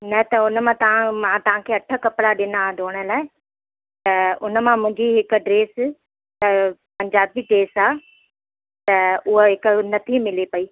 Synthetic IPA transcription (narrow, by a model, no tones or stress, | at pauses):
nɐt̪ɐʊnəmãt̪ɐʋ̤ãmãt̪ɐʋ̤ãkʰeːɐʈʰəkɐpɪɽaɗɪnad̪ʱoːɽ̃əlaːɪ | t̪ɐʊnəmãmʊ̃ɦɪ̃ɲd͡ʑiɦɪkʊ̆ɖɾeːs | t̪ɐpɐ̃ɲd͡ʑaːbiɖɾeːsaː | t̪ɐʊɦoɦɪkʊnɐt̪ʰimɪlepɐiː